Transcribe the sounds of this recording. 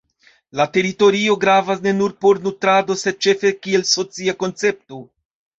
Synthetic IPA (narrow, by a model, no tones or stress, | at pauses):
late̞ɾito̞ɾio̞ɡɾavasne̞nuɾpo̞ɾnutɾado̞se̞d̚t͡ʃe̞fe̞kie̞lso̞t͡siako̞nt͡se̞p̚to̞